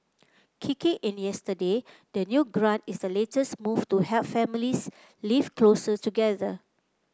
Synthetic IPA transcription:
kʰikĩŋʔĩnjɛstəde | dənjuɡɹãntisdəletəsmuftuhɛlpfɛ̃milis | livklosətuɡɛðə

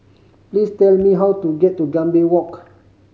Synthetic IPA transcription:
plistɛlmiɦawtuɡɛtːuɡãmbiwɔk

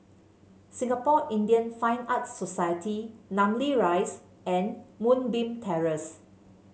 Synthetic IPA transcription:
sĩŋapɔʔĩndiə̃nfãj̃nat̚sosajətʰinãmliɹajs | ɛ̃nmũnbĩmtʰɛɹəs

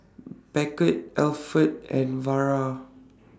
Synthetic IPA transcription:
bɛkət̚ɛlfət̚ɛ̃nvaɹa

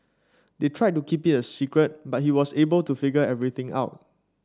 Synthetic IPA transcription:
detʰɹaɪtːukʰiphitəsikɹət̚bat̚ɦiwɔsebəltufiɡəɛvɹit̪ɪ̃ŋa̰ʊt̚

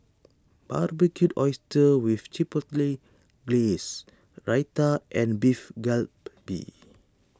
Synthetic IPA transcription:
b̥arbikutɔjstəwift͡ʃipɔtli | ɡles | ɹajtaʔɛ̃nbifɡɛlpbḭ

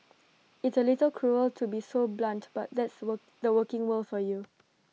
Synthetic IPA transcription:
ɪtsəlɪtəlkʰɹuəltʰubisoblãntb̥at̚d̪ɛtsw | dəwəkɪ̃ŋwəlfɔju

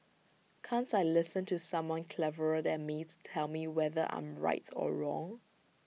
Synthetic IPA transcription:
kʰãntaɪlɪsə̃ntʰusãmwɔ̃nkʰlɛvəɹədɛ̃n̚mitu̥tʰɛlˠmiwɛðəʔã̰ɪ̃mɹa̰ɪtʰɔ̰ɹɔ̰̃ŋ

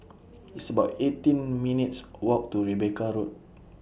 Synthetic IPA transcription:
isəbatetĩnmĩnit̚swɔk̚tuɹibekaɾut̚

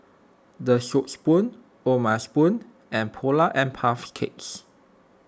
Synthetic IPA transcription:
dəʃopspũn | omaspũn | ʔɛ̃npʰolaʔɛ̃npʰafkʰets

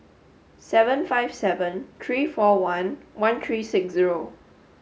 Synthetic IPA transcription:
sɛvə̃nfaɪv̥sɛvə̃nt̪ʰɹiːfɔwãnwãnt̪ʰɹiːsɪksziɹo

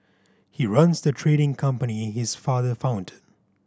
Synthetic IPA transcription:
hiɹʌ̃nzðɨtʰɹ̥eɾɪ̃ŋkʰʌ̃mpənihɪz̥fɑðə˞fãʊ̃ntə

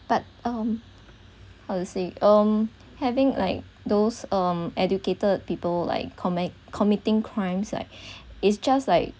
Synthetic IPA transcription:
b̥at̚ʌ̃m | haʊduseʔʌ̃m | hɛvɪ̃ŋla̰ɪk̚ | dosʌ̃mʔɛd͡ʒuketəd̚pipəlla̰ɪkʰːɔmɛ | ɔmitɪ̃ŋkʰɹãɪ̃msla̰ɪk̚ɪtsd͡ʒastlaɪk̚

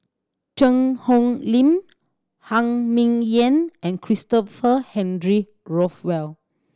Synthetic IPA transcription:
t͡ʃə̃ŋhɔ̃ŋlĩm | hãŋmĩŋjɛ̃nɛ̃nkʰɹistɔfəhɛ̃ndɹi | ɹɔfwɛl

